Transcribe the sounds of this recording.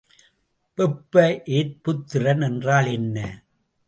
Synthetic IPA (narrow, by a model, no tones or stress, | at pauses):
pɛpːɐʔeːt̪̚pʊt̪ːɪɾɐnɛndraːlɛnːɐ